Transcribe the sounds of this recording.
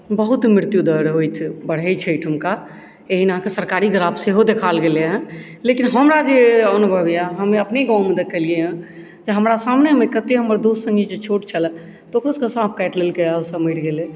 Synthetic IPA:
bəɦut̪mɾiɾt̪jud̪əɾɦojt̪ʰbəɽ̤ɦət͡ʃʰəjʈʰɦəmka | eɦinəɦãkesəɾkaɾiɡɾabseɦod̪ekʰalɡeleɦɛ̃ | lekinɦəmɾad͡ʒeənubʱəbijaɦəmeəpneɡãw̃mẽd̪ekəlieə̃ | d͡ʒeɦəmɾasamnemekət̪eɦəməɾd̪ossə̃ŋɡid͡ʒet͡ʃʰoʈt͡ʃʰəl | t̪okɾoskə̃sãp̚ʰkɛʈlelkeaosəmiɽɡele

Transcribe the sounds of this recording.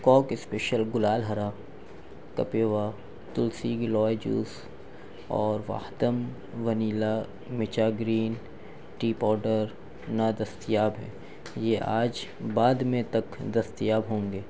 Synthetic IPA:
kɔːkɪspeːʃəlɡʊlaːlɦɐɾa | kɐ̰peːʋa | t̪ʊlsiɡɪlɔːjd͡ʒṵːs | ɔːɾʋa̰ːhd̪əm | ʋɐniːla | mɪt͡ʃaːɡɾiːn | ʈiːpɔːɾɖəɾ | nad̪ɐst̪ijaːbɦɛ̰ː | jeʔaːd͡ʒbaːd̪mẽt̪ɐkd̪ɐst̪ijaːbɦõːŋɡeː

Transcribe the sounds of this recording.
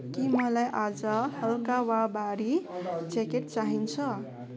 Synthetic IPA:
kimʌlajʔad͡zʌhʌlkawabaɾit͡sekeʈ̚t͡saɦint͡sʰʌ

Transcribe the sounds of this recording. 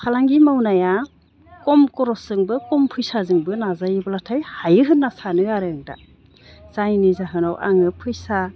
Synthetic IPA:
pʰalaŋɡimawnaja | kɔmkɔɾɔsɯŋbɯkɔmpʰujsazɯŋbɯnazajɯbɯlatʰajhajɯɦɯnːasanɯaɾɯŋda̰ | z̥ajnizaɦɯnawʔa̰ŋɯpʰɯjsa

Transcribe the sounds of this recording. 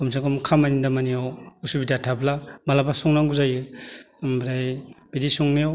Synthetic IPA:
kumsakɔmkʰamajnidamanijawusubitatʰablamalabasɔŋnaŋɡuzajɯ | mbɾajb̥idisuŋnijaw

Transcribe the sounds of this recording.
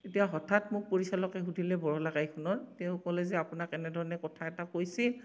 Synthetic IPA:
etijaɦɔtʰatmʊk̚poɹisalɔkɛɦudʱilɛbɔɹɔlaɡajkʰunɔɹteʊ̃kɔlɛzɛapunakɛnɛdʱɔɹɔnɛkɔtʰaɛtakojsi

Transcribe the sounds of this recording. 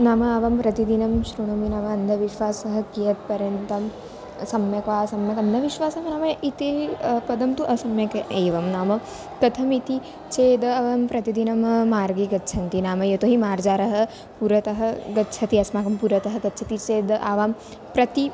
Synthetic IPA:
naːmɐɐʋɐmpɾɐt̪id̪inɐmʃɾuɳɐminaːmɐɐnd̪ʱɐʋiʃʋaːsɐɦɐkijɐt̪̚pɐɾjɐnt̪ɐm | sɐmjɐkʋaːsɐmjɐkɐnːɐʋiʃʋaːsɐɦɐnaːmɐit̪eːpɐd̪ɐmt̪uʔɐsɐmjɐkeːʋɐmnaːmɐ | t̪ɐt̪ʰɐmit̪i | t͡ʃeːd̪ɐɐʋaːmpɾɐt̪id̪inɐmːaːɾɡeːɡɐtːt͡ʃʰɐnt̪inaːmɐjet̪oɦimaːɾd͡ʒaːɾɐɦɐ̆ | puːɾɐt̪ɐɦɐɡɐtːt͡ʃʰɐt̪iɐsmaːkɐmpuːɾɐt̪ɐɦɐɡɐtːt͡ʃʰɐt̪it͡ʃeːd̪ɐʔaːʋaːm | pɾɐt̪i

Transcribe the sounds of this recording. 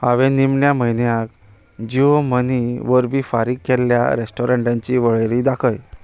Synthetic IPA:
aʋẽnimɳjaməɦjnjãk | d͡ʑioməniʋəɾbʱiːfaɾikːɛlːja̰ɾesʈɔɾãɳʈãɲt͡ɕiʋəɭəɾid̪akʰəj

